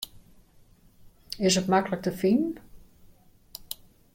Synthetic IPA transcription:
ɪsətmakələk̚təfinən

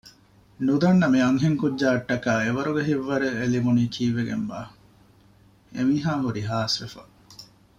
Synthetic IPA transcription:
nud̪ɐnːɐmiɐŋɦeŋkudːaːʈːɐkaːeʋɐɾuɡeɦiʋːɐɾeelimuniːkʰiːʋːeɡḛnʋaː | ḛmiːɦaːɦuɾiɦaːsʋefɐ̰

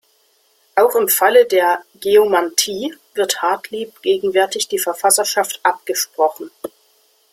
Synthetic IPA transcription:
ʔaʊxɪmfalədeːɐɡeomantʰiːvɪɐthaːɐtʰliːp̚ɡ̥eːɡŋ̩vɛɐtɪçd̥iːfɛɐfasɐʃaftʔap̚ɡ̥əʃpʁ̥ɔχn̩

